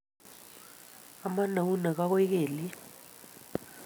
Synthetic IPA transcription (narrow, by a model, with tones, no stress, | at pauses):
a˨ma˦na˨wu˦na˨k̬a˦k̬wɛ˦k̬ɛː˨li˦